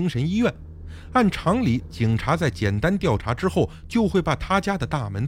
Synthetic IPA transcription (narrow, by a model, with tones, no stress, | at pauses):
i˥ŋʂə˧˥ni˥ɥɛ˥˩n | a˥˩nʈ͡ʂʰɑ˧˥ŋli˧˥t͡ɕi˨˩ŋʈ͡ʂʰa˧˥t͡sa˥˩ɪt͡ɕjɛ˨˩nt̪a˥nt̪jɑ˥˩ʊʈ͡ʂʰa˧˥ʈ͡ʂɻ̩˥xo˥˩ʊt͡ɕjo˥˧ʊxwe˥˧ɪpa˨˥˩t̪ʰa˥t͡ɕja˥d̪ə˨t̪a˥˩mə˧˥n